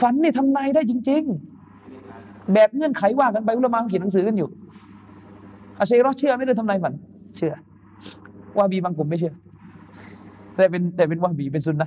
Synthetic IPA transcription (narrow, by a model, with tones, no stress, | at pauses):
fa˨˦nːiː˧˩t̪ʰa˧mnaː˧jdaː˥˩jt͡ɕi˧ŋt͡ɕi˧ŋ | bɛː˨˩p̚ŋɤ˧˥ə˨nkʰa˨˩˦jwaː˥˩ka˧npa˧jʔu˧˥la˧maː˧kki˨˩na˨˧˦ŋsɯː˨˦kɯ˧˨njuː˨˩ | ʔa˧˩sɾɔː˦˥˩t͡ɕʰɯ˥˩˨ma˥˩˨ɾaː˧˥˩t̪ʰa˧naː˧jfa˨˦nt͡ɕʰɯ˧˩ɐ | waː˧˩˨biː˨˦baː˧ŋko˨˩˦mːa˥˩jt͡ɕʰɯ˧˥˩ɐ | t̪ɛː˧˩pe˧nt̪ɛː˨˩pe˧nwaː˧˩biː˨˩p̬e˧nsu˧˦nːa˧